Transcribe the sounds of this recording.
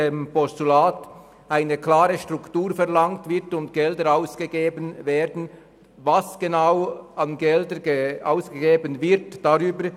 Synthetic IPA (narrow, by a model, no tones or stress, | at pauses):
empɔstulaːt | ʔaɪnəklaːɾəʃtʁʊktuːʁfɛʁlɑŋtvɪʁtʊntɡ̥ɛldəɾaʊsɡ̥əɡeːbənveːdn̩ | vasɡ̥enaʊɑnɡɛldəa̰ʊsɡ̥əɡeːbənvɪɾtd̥aʁyːbə